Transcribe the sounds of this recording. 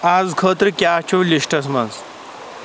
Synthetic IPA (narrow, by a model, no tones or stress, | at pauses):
aːzkʰəːt̪ɾkʲjaːt͡ʃʰuliʂʈɐs̬mɐns